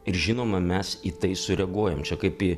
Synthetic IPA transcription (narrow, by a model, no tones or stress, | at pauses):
ɪɾʒʲɪnoːmɐmʲɛsiːt̪ɐɪsʊɾʲɛɡuɔjɛmt͡ʃʲɛkɐɪpi